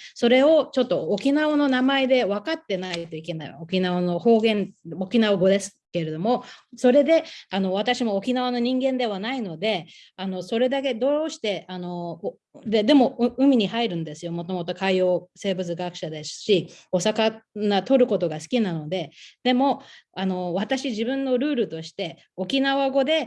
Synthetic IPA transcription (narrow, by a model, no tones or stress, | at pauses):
so̞ɾe̞o̞t͡ɕo̞t̪ːo̞ːkʲinaono̞namaed̪e̞βakat̪ːe̞nait̪o̞ike̞naḭokʲinaono̞ho̞ːɡẽ̞nokʲinaoɡo̞d̪e̞sɨ̥ke̞ɾe̞d̪o̞mo̞so̞ɾe̞d̪e̞ano̞β̞at̪aɕimo̞ːkʲinaβono̞ɲ̟ĩŋɡẽ̞nd̪e̞β̞anaino̞d̪e̞ | ano̞so̞ɾe̞d̪ak̬e̞d̪o̞ːɕi̥t̪e̞ʔano̞ | d̪ed̪e̞mo̞ɯ̟mʲiɲ̟ihaiɾɯ̟̃nd̪e̞sɨjo̞mo̞t̪o̞mo̞t̪o̞kaijo̞ːse̞ːbɯ̟t͡sɨɡakɯ̟̥ɕad̪e̞sɨ̥ɕio̞sakanat̪o̞ɾɯ̟ko̞t̪o̞ɡasɨ̥kʲinano̞d̪e̞d̪̥e̞mo̞ano̞βat̪aɕiʑibɯ̟̃nːo̞ɾɯ̟ːɾɯ̟t̪o̞ɕi̥t̪e̞ | o̞kʲinaβaɡo̞d̪e̞